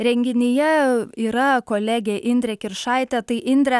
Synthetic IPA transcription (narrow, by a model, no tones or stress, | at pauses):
ɾʲɛŋʲɡʲɪnʲɪjɛiːɾɐkoːlʲæːɡʲeʔɪnʲd̪ʲɾʲɛkʲɪɾʃɑɪt̪ʲɛt̪ɐɪʔɪnʲd̪ʲɾʲɛ